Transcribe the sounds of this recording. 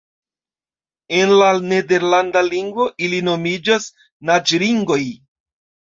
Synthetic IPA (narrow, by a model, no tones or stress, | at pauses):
e̞nlane̞de̞ɾlandaliŋɡvo̞ʔilino̞mid͡ʒas | nad͡ʒɾiŋɡo̞j